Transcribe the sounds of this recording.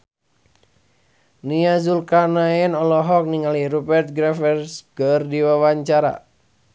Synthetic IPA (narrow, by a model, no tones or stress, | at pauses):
niazulkanaɛnɔlɔɦɔk̚niŋaliɾubɛrt̪̚ɡɾɛfɛrskərdiwawaɲt͡ʃaɾa̰